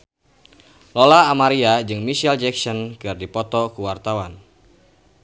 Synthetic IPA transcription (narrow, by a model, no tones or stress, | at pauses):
lɔlaːmaɾiad͡ʒɨŋmisiald͡ʒɛksɔnkɨrdipɔt̪ɔkuwart̪awan